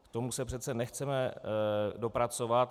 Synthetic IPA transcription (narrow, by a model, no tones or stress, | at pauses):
kt̪omusɛpr̝ɛt̪t͡sɛnɛxt͡sɛmɛ | do̞pɾat͡so̞vat̪